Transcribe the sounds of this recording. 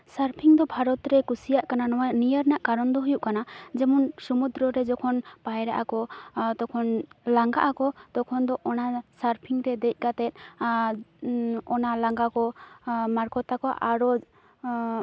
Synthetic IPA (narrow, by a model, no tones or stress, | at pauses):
saɾpʰiŋd̪ɔbʱaɾɔt̪ɾɛkusijaʔkananɔwanijəɾnaʔkaɾɔnd̪ɔɦujuʔkanad͡ʒɛmunsumud̪ɾɔɾɛd͡ʒɔkʰɔnpajɾaʔakɔt̪ɔkʰɔnlaŋɡaʔakɔt̪ɔkʰɔnd̪ɔʔɔnasaɾpʰiŋt̪ɛd̪ɛc̚ˀkat̪ɛt̪̚ˀ | ɔnalaŋɡakɔmaɾkɔt̪akɔʔaɾɔ